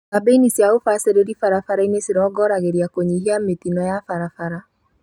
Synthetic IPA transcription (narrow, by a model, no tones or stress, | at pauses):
abeinisiaofaseɾeɾifaɾafaɾaineseɾɔɡɔɾaɣeɾiakoɲihiametinɔjafaɾafaɾa